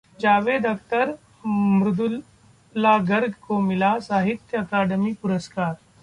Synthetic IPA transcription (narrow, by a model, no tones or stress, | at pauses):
d͡ʒaːʋeːd̪ək̚t̪əɾ | mɾud̪u | laɡəɾɡʱkomilasaːɦit̪jəɐkaːɖəmiːpuɾəskaːɾ